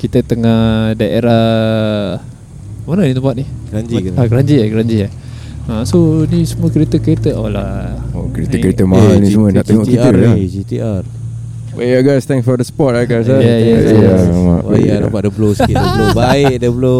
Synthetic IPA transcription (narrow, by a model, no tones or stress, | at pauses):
kit̪ət̪əŋahdaʔeɾa | manənit̪əmpat̪̚nihɡand͡ʒiaɡəɾaɲd͡ʒiaɡəɾaɲd͡ʒia | asonisəmuəkəɾet̪əkəɾet̪əʔolaokɾet̪əkəɾet̪əmaɦalnisəmuənaʔt̪əŋoʔkit̪əkd͡ʒit̪iʔar | weaɡajst̪ɛ̃ŋsfɔdəsə̥pɔt̚aɡajs̬ajajaəaama̰a̰na̰padəblosidəblobaɪʔ̚dəblo